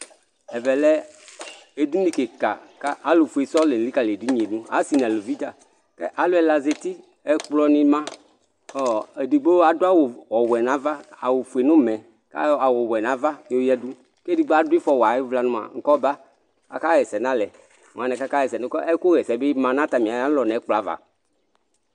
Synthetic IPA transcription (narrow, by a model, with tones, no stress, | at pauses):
ɛ˨vɛ˨lɛ˦ | e˨du˦ni˦˨ke˨ka̰˨ka˦ʔa˨˦lo˨fu˨e˨sɔ˦le˨n̩˨li˦ka˨le˨du˦ɲ˨e˨nũ˦a̰˨˦si˨n˨ã˨lo˨vi˦t̪a˨ | kɛ̰˦ʔa˨lo˦ɛ˨la˨ze˨t̪i˦ | ɛ˨˦k͡plɔ˦nĩ˧mã˦ | ɔ˨e˨di˨ɡ͡bo˦a˨do˦a˦wo˨wɔ˨wɛ˨nã˨˦va˦a˨wo˨fu˨e˨nõ˦mɛ̃˨ | ka̰˦a˨wo˨wɛ˨nã˨˦va˦˨o˦jɛ˦du˦ | ke˦di˨ɡ͡bo˦a˨˦dʊ˦i˦fɔ˨wa˨e˦vla˨nũ˦ma̰˨ŋ̩˦kɔ˦ba˦ | a̰˨ka˦ɣɛ˨sɛ˨nã˦lɛ˨ | ŋ˨ã˨nɛ̃˨ka˦ka˦ɣɛ˨sɛ˨nũ˦kɔ˦ɛ˦ko˦ɣɛ˨sɛ˨be˦mã˨nã˦t̪a˨mĩ˨a˨ja˦lɔ˨nɛ˨˦k͡pla˦va̰˨